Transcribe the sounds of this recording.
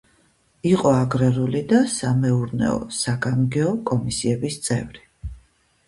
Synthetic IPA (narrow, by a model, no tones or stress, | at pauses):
iqʼɔaɡɾɛɾulid̪asamɛuɾnɛ̰ɔ̰saɡamɡɛɔkʼɔmisiɛbist̪sʼɛvɾi